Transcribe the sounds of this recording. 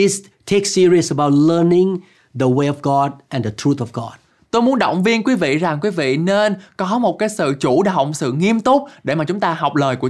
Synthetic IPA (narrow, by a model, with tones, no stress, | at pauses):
is | tʰeksiɹiəsəbawt̚lənɪ̃ŋ | ðəweɔvɡɔd̚ʔɛ̃nd̪ətʰɹut̪ɔvɡɔ̰d̥̚ | t̪o˧jmu˨˦ənɗə̰˧˨wŋ͡mvi˧ənkwi˨˦vḭ˧˨za˨˩ŋkwi˨˦vḭ˧˨ne˧nkɔ˨˦mo˨˩t̚kaː˨˦jsɨ̰˧˨t͡ɕu˧˩ɗə˩˨k͡p̚sɨ̰˧˨ŋi˧əmt̪ʊ˦˥k͡p̚ɗe˧˩maː˨˩t͡ɕʊ˨˦ŋ͡mt̪aː˧ɦa˨˩wk͡p̚ləː˨˩jku˧˩ə